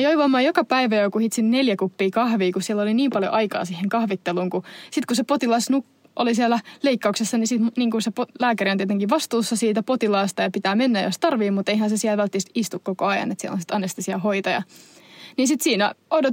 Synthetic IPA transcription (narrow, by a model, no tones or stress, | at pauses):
joiʋɑmːɑːjokɑpæiʋæjokuhit̪sinneljækupːiːkɑhʋiːkussielːoliniːmpɑljo̰ʔɑikɑ̰ːsiheŋkɑhʋit̪ːeluːŋkusit̪kusepot̪ilɑsnuk | ʔo̰lisiælæleikːɑuksesːɑnisit̪mniːŋkunsepolæːkæriont̪iet̪eŋkiʋʋɑst̪uːsːɑsiːt̪æpot̪ilɑːst̪ɑjɑpit̪æːmenːæjjo̰st̪ɑrʋiːmut̪eihænsesiælʋælt̪ːist̪ist̪ukkokoɑjɑ̰net̪siḛlo̰nsit̪ɑnːest̪isiɑhoit̪ɑjɑ̰ | ninsit̪siːnæodo